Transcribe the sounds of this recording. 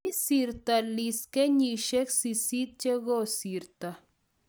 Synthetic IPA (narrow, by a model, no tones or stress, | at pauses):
isiɾt̪aliskeɲiʃeksisit̪̚t͡ʃeɣosiɾt̪a